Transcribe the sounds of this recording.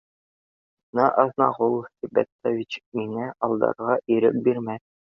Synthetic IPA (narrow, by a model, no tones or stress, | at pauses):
nɑʔɑðnɑʁulˠsibæ̰t̪ːovʲit͡ɕmiŋæʔɒlˠd̪ɑ̰ɾʁɑʔiɾɘ̰p̚biɾmæ